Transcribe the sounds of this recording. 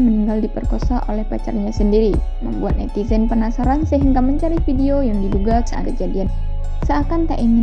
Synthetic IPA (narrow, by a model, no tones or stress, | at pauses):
məniŋɡaldipərkosaʔolɛhpat͡ʃa̰rɲasəndiɾimə̰mbuat̪̚nɛ̰t̪izɛnpənasaɾansəɦəŋɡaməɲt͡ʃaɾifideojaŋdiduɡasa̰kəd͡ʒadian | səakant̪aʔiŋɪ